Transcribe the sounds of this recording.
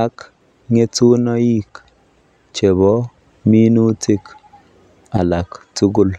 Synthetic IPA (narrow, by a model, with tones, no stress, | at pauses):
a˦k | ŋe˦tu˦nɔ˦i˦k | t͡ʃe˨bɔ˦ | mi˦nu˦tʰi˦k | a˨la˨ktu˦ɡʊ˦l